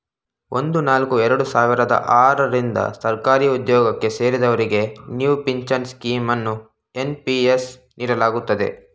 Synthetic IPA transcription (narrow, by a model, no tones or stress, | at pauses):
o̞nd̪unaːlkuɛɾɐɽusaːʋiɾɐd̪ɐ̰ʔaːɾɐɾind̪ɐ̰sɐɾkaːɾiːud̪jɔːɡɐkːe̞se̞ːɾid̪ɐʋɐɾiɡe̞njuːpiɲt͡ʃɐnskiːmɐnːu | e̞npies | nʔiːɽɐlaːɡut̪ːɐd̪e̞̰